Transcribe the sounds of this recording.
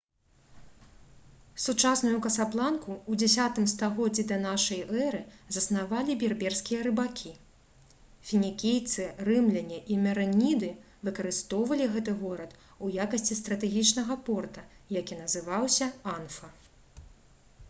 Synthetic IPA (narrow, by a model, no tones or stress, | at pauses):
sut͡ʂasnujukɐsaplˠankuud͡zʲasʲat̪ɨmst̪aɣɔd͡zʲːɛd̪ɐn̪aʂɐjɛɾɨzɐsnavalʲibʲɛrbʲɛrskʲijɐɾɨbakʲʰi | fʲinʲikʲejt̪sɨrɨmlʲɐnʲɛʔimʲɐɾɐnʲid̪ɨ | vɨkɐɾɨst̪ɔwvɐlʲiɣɛt̪ɨɣɔɾɐt̪ujakɐsʲt͡sʲist̪ɾɐt̪ɛɣʲit͡ʂnɐɣɐpɔrt̪ɐjakʲinɐzɨvawsʲɐanfɐ